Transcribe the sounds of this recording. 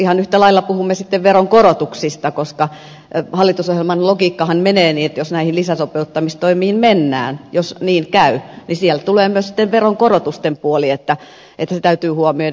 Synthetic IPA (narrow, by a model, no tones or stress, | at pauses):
ihɑnyht̪ælɑilːɑpuhumːesit̪ːeʋʋeroŋkorot̪uksist̪ɑkoskɑ | hɑlːit̪usohjelmɑnlokiːkːɑhɑnmeneːniːet̪josnæihinlisæsopeut̪ːɑmist̪oimiːnmenːæ̰ːnjosniːnkæynisiɛlt̪uleːmyøsi̥t̪ːeʋʋeroŋkorot̪ust̪empuoliet̪ːæ | ʔet̪ːæset̪æyt̪yːhuomio